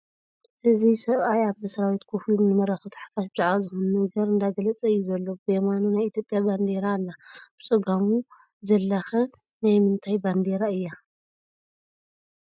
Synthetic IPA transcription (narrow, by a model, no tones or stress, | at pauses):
ʔɨzisɐβajaβɨsɐɾawit̪kʰofiunɨmɐɾaxɨt̪ʰħḁkʰaʃbɨzaʕβazɨxonnɐɡɐɾɨnd̪aɡɐlɐt͡sʼɐɨjːuzɐlːobɨjemanunajit̪ʰjopʼːjaband̪e̞ɾaːlːab̥ɨt͡sʼɨɡamu | zɐlːaxɐ | najmɨnt̪ʰajband̪e̞ɾaɨjːa